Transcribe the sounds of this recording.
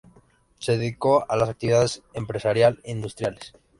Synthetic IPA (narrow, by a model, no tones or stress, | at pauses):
seðeðiko̞alasakt̪iβiðaðe̞se̞mpɾe̞saɾjalind̪ust̪ɾjales